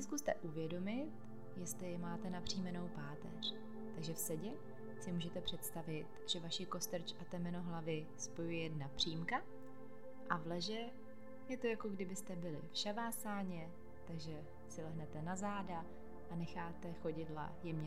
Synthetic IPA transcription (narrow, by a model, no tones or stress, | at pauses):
skust̪ɛʔuvjɛdo̞mɪt̪ | jɛst̪lɪjɛmaːt̪ɛnapr̝̥iːmɛno̞wpaːt̪ɛ̰r̝̥ | t̪aɡʒɛfsɛɟɛ | sɪmuːʒɛt̪ɛpr̝̥ɛt̪st̪avɪt̪ʒ̥ɛvaʃɪko̞st̪ɛɾ̩t͡ʃʔat̪ɛmɛno̞ɦlavɪ | spo̞jujɛjɛdnapr̝̥iːmka | ʔavlɛʒɛ | jɛt̪o̞jako̞ɡdɪbɪst̪ɛbɪlɪfʃavaːsaːɲɛ | t̪aɡʒɛ | sɪlɛɦnɛt̪ɛnazaːda | ʔanɛxaːt̪ɛxo̞ɟɪdla̰jɛmɲɛ